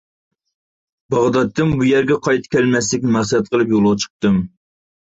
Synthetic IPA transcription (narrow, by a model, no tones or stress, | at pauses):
bɑʁd̪ɑt̪ʰːɨmbujɛɾɡʲɛqʰɑjt̪ʰɨ̥kʲʰælmɛs̬lɪkʲnɪmæχsɛɛt̪̚qʰəlˠɨpjolˠʊʁt͡ʃʰə̥q̚t̪ɨm